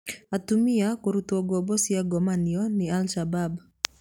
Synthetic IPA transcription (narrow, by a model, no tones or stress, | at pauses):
atumiakoɾutɔɡɔbɔsiaɡɔmaniɔnialʃabab